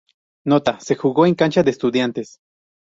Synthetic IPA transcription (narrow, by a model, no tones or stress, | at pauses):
not̪ase̞xuɣoeŋkant͡ʃaðeeːst̪uðjant̪es